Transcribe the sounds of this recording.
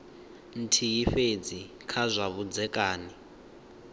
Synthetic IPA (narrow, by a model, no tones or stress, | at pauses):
n̩tʰijiɸed͡zi | kʰazʷaβud͡zɛkʼaːni